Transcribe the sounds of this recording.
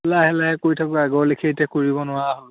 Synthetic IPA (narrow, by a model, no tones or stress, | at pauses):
laɦɛlaɦɛkoɹitʰakɔaɡɔɹlekʰetɛkoɹibɔnʊwaɦol